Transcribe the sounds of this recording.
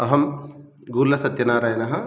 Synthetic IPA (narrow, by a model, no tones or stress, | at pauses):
ɐɦɐm | ɡuːɾlːɐsɐt̪jɐnaːɾaːjɐnɐɦɐ̆